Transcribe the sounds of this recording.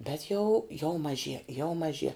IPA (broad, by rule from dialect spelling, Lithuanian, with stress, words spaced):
bʲɛt jɛʊ jɛʊ mɐˈʒʲiɛ jɛʊ mɐˈʒʲiɛ